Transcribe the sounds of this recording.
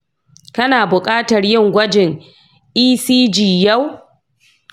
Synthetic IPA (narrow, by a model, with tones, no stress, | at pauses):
kɐ˦naː˨bʊ˨kʼaː˦tɐ˨rjɪ˦ŋɡʷɐ˦d͡ʒɪ˨ŋ | ʔiː˦siː˦d͡ʒiː˨jɐ˦˨w